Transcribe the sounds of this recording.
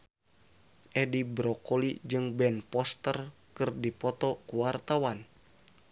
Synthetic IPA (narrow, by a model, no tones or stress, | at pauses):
ʔɛdibɾɔkolid͡ʒɨŋbɛnpɔst̪ərkɨrdipɔt̪ɔkuwart̪awan